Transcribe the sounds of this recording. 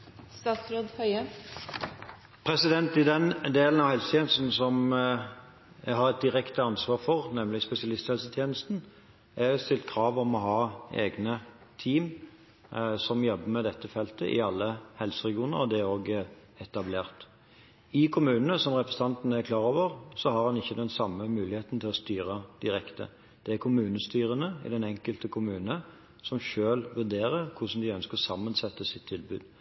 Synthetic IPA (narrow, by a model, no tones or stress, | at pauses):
st̪ɑːt̪sɾoːd̪hœʏə | pʰɾɛsɪd̪ɛnt̪ɪd̪ɛnd̪eːln̩ɑʋhɛlsət̪ʰjeːnəst̪n̩sɔm | æɦɑʁɛt̪̚d̪ɪʁɛkt̪əɑnsʋɑːʁfɔʁnɛmlɪspɛsɪɑlɪst̪hɛlsət̪ʰjeːnəst̪n̩ | æst̪ɪlt̪̚kʰʁɑːʋɔmɔɦɑːḛːɡnə | t̪ʰiːm | sɔmjɔbːəmɛd̪ɛt̪ːəfɛlt̪ə̰ʔɪ̰ɑlːəhɛlsəɾɛɡɪuːnə̰ɾɔd̪ɛoːɡ | ɛt̪ɑbleːʁt̪ | ɪkʰʊmʉːnənəsɔmʁɛpɾəsət̪ʰɑnt̪ənəækʰlɑːɾoːʋəʁsɔhɑʁhɑnɪçːəd̪ɛnsɑmːəmʉːlɪheːt̪n̩t̪ʰɪlɔst̪yːɾəd̪̥ɪɾɛkt̪ə̰ | d̪̥ɛæɾkʰʊmʉːnəst̪yːɾənəɪ̰d̪ɛnɛŋkəlt̪əkʰʊmʉːnə | sɔmʃøːlʋʉd̪eːɾəʁkʰʊʂn̩d̪ɪœnskəʁsɑmːənsɛt̪ːəsɪt̪ʰːɪlbʉ̰ːd̪